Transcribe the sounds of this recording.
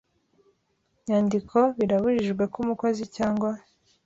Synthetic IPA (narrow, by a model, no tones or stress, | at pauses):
ɲaːndikʰo̞βiɾaβuʒiʒɡwe̞kumuko̞zicaːŋɡwa